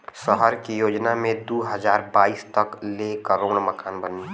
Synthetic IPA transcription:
səɦəɾkijoːd͡ʒnamẽd̪uːɦəd͡ʒaːɾbaːiːst̪ɐklekəɾoːɽ̃məkaːnbəni

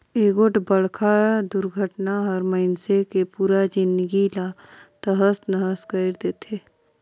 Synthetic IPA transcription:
eːɡoʈbəɽ̤kʰad̪ʊɾɡʱəʈnaɦəɔɾməɪnsekepuːɾad͡ʒɪnd̪ɡilat̪əɦəsnəɦəskəɪɾd̪eːt̪ʰeː

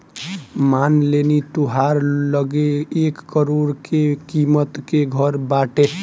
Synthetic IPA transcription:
manlenit̪uɦaɾləɡeːkːəɾoɾkekimət̪keɡʱəɾbaʈe

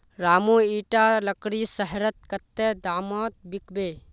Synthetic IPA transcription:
ɾaːmuiʈaləkɾisəɦɾət̪̚kət̪ːed̪aːmɔt̪̚bikbe

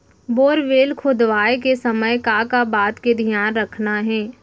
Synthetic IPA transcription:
boːɾʋeːlkʰʊd̪ʋaːekesɐməjkakabaːt̪ked̪ʱijaːnɾɐkʰnaɦɛ̃ː

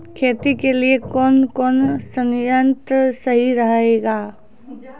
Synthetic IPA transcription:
kʰeːt̪ikeliekɔːnkɔːnsənjənt̪ɾəsɐɦiɾɐɦeːɡaː

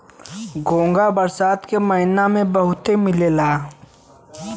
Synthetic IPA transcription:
ɡõːŋɡabəɾsaːt̪kemɐɦɪnamẽbɐɦʊt̪emɪlelaː

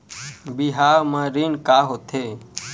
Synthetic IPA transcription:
biɦaːmãɾinkaːɦot̪ʰeː

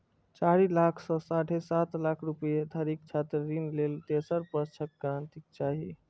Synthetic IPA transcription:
t͡ʃaɾilakʰsɔ̃saʈʰesat̪lakʰɾupjet̪ʰəɾikt͡ʃʰat̪ɾəːinlelt̪esəɾpəst͡ʃʰəkɡɾant̪ik̚t͡ʃaɦi

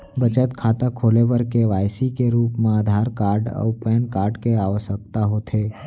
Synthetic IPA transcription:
bət͡ʃət̪kʰaːt̪akʰoːlebəɾkeʋaːjsikeɾuːpmẽəd̪ʱaːɾkaːɾɖɔ̰pɛːnkaːɾɖkeaːʋəʃək̚t̪aɦoːt̪ʰeː

